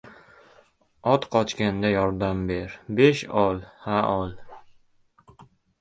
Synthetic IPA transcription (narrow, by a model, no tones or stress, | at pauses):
ɒt̪qʰɒt͡ʃkʲand̪ajɒɾd̪ambe̞ɾbe̞ʃɒlˠhaʔɒlˠ